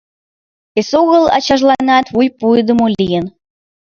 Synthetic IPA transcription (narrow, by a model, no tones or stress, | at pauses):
esoɣəlɑ̰t͡ɕɑʒlɑnɑt̪βujpujd̪ə̆molʲijən